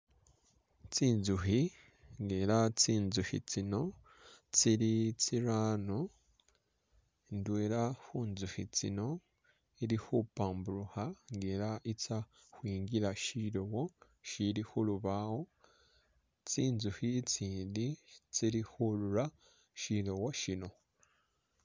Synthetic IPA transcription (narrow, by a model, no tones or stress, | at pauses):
t͡siːnzuɦi | ŋɡeːɾat͡siːnzuhḭt͡sino̞ | t͡siɾit͡siɾaːno | ndweːɾahuːnzuhit͡sḭno̞ | iɾihupaːmbuɾuhaŋɡeːɾaʔit͡sa | hwiːŋɡiɾaʃiɾowo | ʃiɾihuluβaho | t͡siːnzuhit͡siːndit͡siɾihuɾuɾa | ʃiɾowoʃino̞